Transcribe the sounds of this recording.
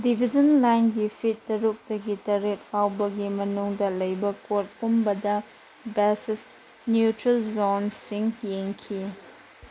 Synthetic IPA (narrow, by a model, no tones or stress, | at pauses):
dibʱid͡ʒɐnlajnɡipʰitːɐɾuk̚tɐɡitɐɾet̚pʰawbɐɡimɐnuŋdɐlɐjbɐkot̚pumbɐdɐ | bɛsis | njutɾelzonsiŋjeŋkʰi